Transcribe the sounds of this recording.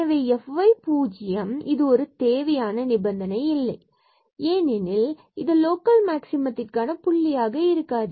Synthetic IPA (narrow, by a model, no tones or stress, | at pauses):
ɐʋeːɛfʋɐɪpuːd͡ʒɪjɐmɪðɯɔɾɯt̪eːʋɐjaːnɐnɪbɐnd̪ɐnɐɪɪlːɐɪ | eːnɪnɪl | ɪðɐloːkɐlmaːksɪmɐt̪ːɪrkaːnɐpʊɭːɪjaːɣɐɪɾɯkːaːðɯ